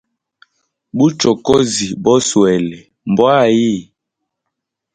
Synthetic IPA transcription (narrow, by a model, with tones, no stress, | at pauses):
bu˦t͡ʃɔ˨ko˦zi˨bɔ˦swɛ˨lɛ˨ | m˨bwa˦˨ji˦˨